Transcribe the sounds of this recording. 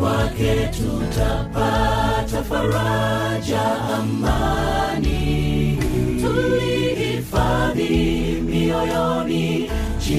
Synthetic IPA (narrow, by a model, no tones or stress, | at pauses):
wakɛtutʰapatafaɾad͡ʒaɦamːani | tuɾii | faði | miɔjɔ | ni | d͡ʒi